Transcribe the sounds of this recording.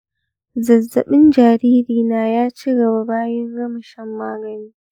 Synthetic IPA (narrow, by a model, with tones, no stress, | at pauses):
zɐ˨zːɐ̰˨ɓɪ˦nd͡ʒaː˨ɾiː˦ɾiː˨naː˨jaː˦t͡ʃi˦ɡɐ˨ba˨baː˦jɐ˦ŋɡɐ˦mɐ˨ʃɛ˦mːaː˦ɡɐ˨niː˦